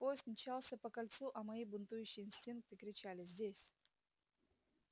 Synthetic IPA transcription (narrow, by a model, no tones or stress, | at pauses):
pojɪst̪mt͡ɕalˠsʲəpəkɐlʲt̪suʔɐmɐibʊnt̪ujʉɕːɪjɪnsʲtʲink̚t̪ɨkɾʲɪt͡ɕalʲɪzʲdʲesʲ